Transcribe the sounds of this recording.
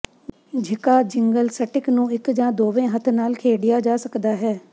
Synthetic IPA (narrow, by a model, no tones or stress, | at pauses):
d͡ʒʱɪkaːd͡ʒɪŋɡəlsəʈɪknũːɪkd͡ʒãːd̪oːʋẽːɦət̪ʰnaːlkʰeːɽɪjaːd͡ʒaːsəkd̪aːɦɛː